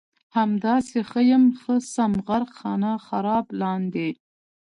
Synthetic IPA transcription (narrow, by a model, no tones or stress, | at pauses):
hamd̪ɑsexəjəmxəsamɣaɾqxɑnaxaɾɑblɑnd̪e